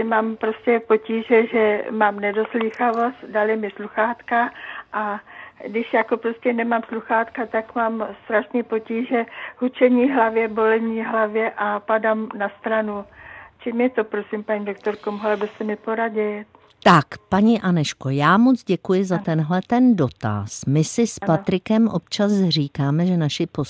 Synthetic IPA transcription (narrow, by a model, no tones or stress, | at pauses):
ɪmaːmpɾoscɛpo̞ciːʒɛʒɛmaːmnɛdo̞sliːxavo̞st̪dalɪmɪsluxaːt̪kaʔadɪʃjakopɾoscɛnɛmamsluxaːt̪kat̪akmaːmst̪ɾaʃniːpo̞ciːʒɛhut͡ʃɛɲiːɦlavjɛbo̞lɛɲiːɦlavjɛʔapadamnast̪ɾanut͡ʃimjɛt̪opɾosiːmpaɲiːdok̚t̪oɾkomɦolɛbɛsɛmɪpoɾaɟɛ | t̪akpaɲiʔanɛʃko̞jaːmo̞t͡sɟɛkujɪzat̪ɛnɦlɛt̪ɛndo̞t̪a̰smɪsɪspat̪ɾɪkɛmʔo̰pt͡ʃasr̝iːkaːmɛʒɛnaʃɪpo